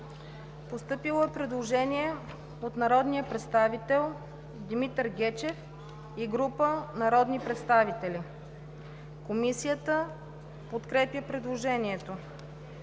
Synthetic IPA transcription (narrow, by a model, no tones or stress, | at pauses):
post̪ɤpilˠəɛpɾɛd̪lˠoʒɛniɛ | ot̪nɐɾɔd̪nijəpɾɛt̪st̪avit̪ɛlˠ | d̪imit̪ɾɡʲɛt͡ʃɛf | iɡɾupənɐɾɔd̪nipɾɛt̪st̪avit̪ɛli | komisijət̪ə | pot̪kɾɛpjəpɾɛd̪lˠoʒɛniɛt̪o